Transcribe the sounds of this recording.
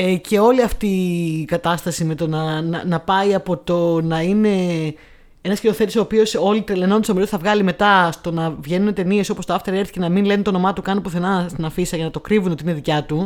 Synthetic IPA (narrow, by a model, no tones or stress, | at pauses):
ece̞o̞liɐft̪ikɐt̪ɐst̪ɐsimet̪onɐnɐnɐpɐiɐpo̞t̪o̞nɐine̞ | enɐsciɾoθet̪iso̞ːpio̞so̞lit̪ɾeleno̞nd̪stomiɾooθɐvɣɐlime̞t̪ɐst̪o̞nɐvʝe̞nunet̪e̞nie̞so̞post̪oɐft̪eɾe̞ɾθi̥çenɐminle̞nunt̪ono̞mɐt̪ukɐnpuθenɐst̪inɐfisɐʝɐnɐt̪okɾivunot̪ine̞ðicɐt̪u